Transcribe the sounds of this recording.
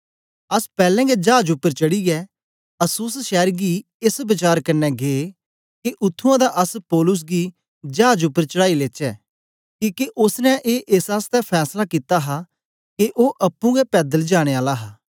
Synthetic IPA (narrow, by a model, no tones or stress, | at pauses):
ɐspɛːlɛ̃ːɡɛd͡ʒaːd͡ʒʊpːəɾt͡ʃɐɽiɡɛː | ɐsuːsʃɛːɾɡi | ɪsbɪt͡ʃaːɾkɐnːɛɡeː | keʔʊt̪ʰːuãd̪aʔəspɔːlʊs̬ɡi | d͡ʒaːd͡ʒʊpːəɾt͡ʃəɽaːileːt͡ʃɛː | kiːkeʔʊsnɛ̃ʔeːʔɪsast̪ɛpʰɛːslakiːt̪aɦa | keʔoːʔɐpːũɡɛpɛːd̪əld͡ʒaːɽ̃eːaːlaɦaː